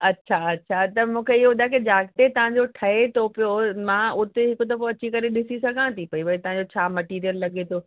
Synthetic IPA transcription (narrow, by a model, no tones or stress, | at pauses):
ɐtːɕʰaɐtːɕʰat̪ɐmũːkʰeɪɦoʊd̪ʱaked͡ʑaːk̚t̪et̪ɐʋ̤ãɲd͡ʑoʈʰɐɦet̪ʰopijomãʊt̪eɦɪkʊt̪ɐfoɐt͡ɕikɐɾeɗɪsisɐɡʱãt̪ʰipɐiʋɐit̪ɐʋ̤ãɲd͡ʑot͡ɕʰaːmɐʈiːɾijəlːɐɠet̪ʰoː